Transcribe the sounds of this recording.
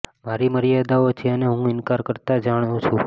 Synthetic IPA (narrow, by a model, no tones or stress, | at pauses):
maɾiməɾjad̪aot͡ʃʰeəneɦũɪnkaɾkəɾt̪ad͡ʒaɽ̃ũt͡ʃʰũ